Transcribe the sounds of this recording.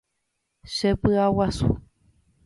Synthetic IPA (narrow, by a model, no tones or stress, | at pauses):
ʃepɨawasṵ